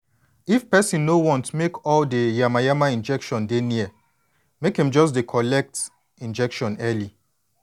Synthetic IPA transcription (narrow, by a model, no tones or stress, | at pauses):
ifpɛsĩnːowɔ̃ntmekɔldejamajamaĩnd͡ʒɛkʃɔ̃ndeniə | mekɛ̃md͡ʒɔs̬dekʰɔlɛk̚t | ĩnd͡ʒɛkʃɔ̃nɛli